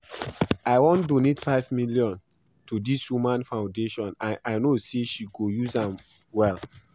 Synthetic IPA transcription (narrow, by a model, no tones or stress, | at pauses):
aɪwɔ̃ndonetfaɪvmiljɔ̃n | tudiswimãnfãndeʃɔ̃naʔaɪnoseʃiɡojuzãm | wɛl